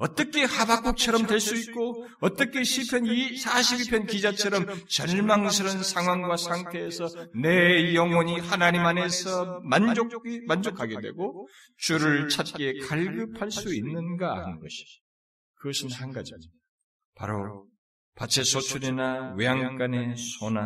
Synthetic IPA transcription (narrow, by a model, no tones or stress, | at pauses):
ʌt͈ʌkʰe̞habak͈ok̚t͡ɕʰʌɾʌmdweɭs͈uit̚k͈o | ʌt͈ʌk͈ʰe̞ɕʰipʰjʌnisʰaɕʰibipʰjʌnkid͡ʑat͡ɕʰʌɾʌmt͡ɕʌɭmaŋsʰiɾʌnsʰaŋɦwaŋɡwasʰaŋtʰe̞ːsʰʌne̞jʌŋwʌɲihanaɲimane̞sʰʌmand͡ʑokmand͡ʑokʰaɡe̞dwe̞̰ɡo | t͡ɕuɾɯɭt͡ɕʰat̚k͈e̞kaɭɡɯpʰaɭs͈uinːɯnɡa̰ːnɯnɡʌɕʰi̥ | kɯɡʌɕʰinhanɡad͡ʑime | pa̰ɾo̰ | pat͡ɕʰesʰot͡ɕʰuɾinawejaŋk͈anesʰona